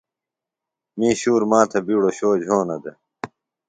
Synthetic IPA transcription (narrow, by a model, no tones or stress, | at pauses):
miːɕuːɾmaːt̪ʰɐbiːɽoɕoːd͡ʑʱoːnɐd̪e